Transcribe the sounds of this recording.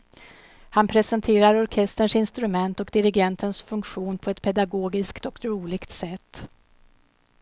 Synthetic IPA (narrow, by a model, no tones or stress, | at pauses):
hanpʰɾɛsɛnt̪ʰeːɾaɾɔɾkʰɛst̪əɳʂsɪnst̪ɾɵmɛnt̪ɔkd̪ɪɾɪɡɛnt̪ʰənsfɵŋkɧuːnpʰɔɛt̪pʰɛd̪aɡoːɡɪskt̪ɔk̪ɾuːlɪɡt̪sɛt̪ː